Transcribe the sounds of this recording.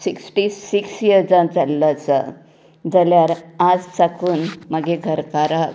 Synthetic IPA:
siksʈiːiksjəɾd͡zãd͡zalːat͡sə̰ | d͡zaljaɾad͡zt͡sakuːnməɡeɡʱəɾkaɾa

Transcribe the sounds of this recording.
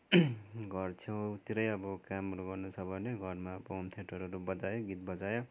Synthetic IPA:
ɡʱʌrt͡sʰʌt̪iɾʌjʌbʌkamɾuɡʌrnut͡sʰʌbʱʌneɡʱʌɾmaʌbʌomt̪ʰeʈʌɾʌɾubʌd͡zajoɡit̪̚bʌd͡zajo

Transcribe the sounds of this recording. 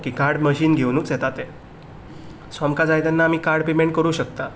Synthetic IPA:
kiːkaɾɽməɕiːnɡʱewnuːt͡sjet̪at̪e | sʋamkad͡zajd̪anːaːm̤iːkaɾɽpemeɳʈ̚kəɾuːɕəkt̪a

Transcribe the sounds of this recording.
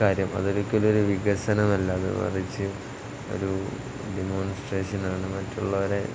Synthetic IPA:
aːɾjɐmɐ̰ðoɾukːolo̞ɾuʋiɣɐsɐnɐmɐlːɐːðɨ̰mɐ̰rit͡ɕːɨ | o̰ɾu | ɖemo̞ːnsʈreːʂɐnaːɳɨmɐtːuɭːɐʋɐɾe̞

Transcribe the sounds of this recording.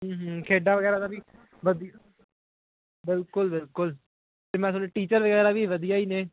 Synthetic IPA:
ɦə̃ːɦəkʰeːɖaːʋəɡɛːɾaːd̪aːbiː | ʋəd̪ija | bɪlkʊlbɪlkʊl | t̪eːmɛ̃ːs̬ʊneːʈiːt͡ʃəɾʋəɡɛːɾaːʋiːʋəd̪ijaːiːneː

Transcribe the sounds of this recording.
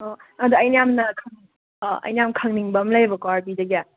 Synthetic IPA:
ɔɐd̪uɐjnijamnɐkʰɐŋ | ʔɐ̰jnijamkʰɐŋniŋbɐmlajbɐkwaɾbidɐɡija

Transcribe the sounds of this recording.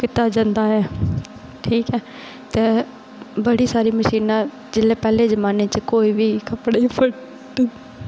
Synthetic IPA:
kɪt̪aːd͡ʒãnd̪aːɛː | ʈʰiːkɛː | t̪eː | bəɽiːsaːɾiːməʃiːnãː | d͡ʒɪleːpɛːleːzəmaːneːt͡ʃkoːiːʋiːkəpɽeːpʰə | ʈ

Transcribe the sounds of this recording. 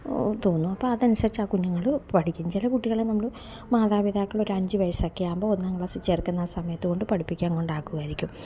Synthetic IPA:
t̪o̞ːnːuɐpːoːɐðɐnuʂɐt͡ɕːaːkunːɐŋːɐɭpɐʈʰikʲːunt͡ɕilɐkuʈːiɣɐɭenɐmːɐɭ | maːðaːʋid̪ʱaːkːɐɭo̞ɾuɐɲd͡ʑɨʋɐjɐsɐkːejaːmbo̞ːonːɐŋːɐɭesit͡ɕːeːrkːɐnːaːsɐmɐjɐt̪ːɨɣo̞ɳɖɨpɐɽʰipːikʲːaːŋko̞ɳɖaːkːuɣɐjiɾikʲːum

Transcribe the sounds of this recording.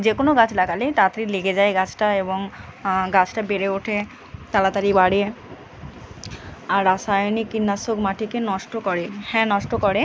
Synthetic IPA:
d͡ʑekonoɡat͡ɕlakalet̪at̪ɾileɡed͡ʑaeɡat͡ɕʰʈaeboŋɡat͡ɕʰʈabeɾeoʈʰe | t̪alat̪aɾibaɽie | aɾɾasajnikːinːasokmaʈʰikenɔʃʈokɔɾehɛ̃nɔʃʈokɔɽe

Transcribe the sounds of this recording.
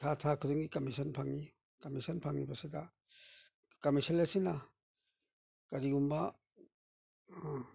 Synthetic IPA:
tʰatʰakʰɯdɯŋikamisanpʰaŋːi | kamisanpʰaŋnibaseda | kamisalesina | kaɾiumba

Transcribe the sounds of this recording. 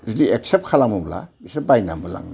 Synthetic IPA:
zudieksep̚kʰalamubla̰bisebajna̰mbɯla̰ŋna

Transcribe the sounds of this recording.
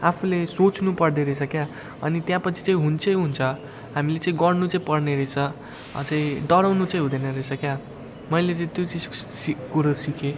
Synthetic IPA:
apʰulesot͡snupʌrd̪eɾʌet͡sʰʌkja | ʌ̰nit̪jãpʌt͡sʰi̥t͡sʌĩɦunt͡sʰʌjɦunt͡sʰʌ | ɦamilet͡sʌĩɡʌrnut͡sʌĩpʌrneɾʌt͡sʰʌ̰ | t͡sʌĩɖʌɾawnut͡sʌ̃ĩɦũd̪enʌɾʌt͡sʰʌkja | mʌjlet͡sʌ̃ĩt̪jot͡sid͡zsikuɾʌsikʰe

